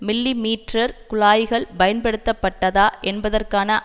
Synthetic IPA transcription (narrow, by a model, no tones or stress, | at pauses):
mɪlːimiːʈrɐɾkʊɭaːjɪɣɐɭbɐjɐnpɐɽɯt̪ːɐpːɐʈːɐðaːʔɛnbɐðɐrkaːnɐʔ